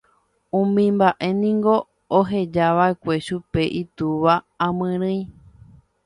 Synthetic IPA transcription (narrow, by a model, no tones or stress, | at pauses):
ũmĩmbaʔe̞nĩŋɡo̞ | oɦe̞d͡ʒaʋae̞kʷe̞ʃupe̞ʔit̪uʋa | ãmɨ̃ɾ̃ɨ̃j̃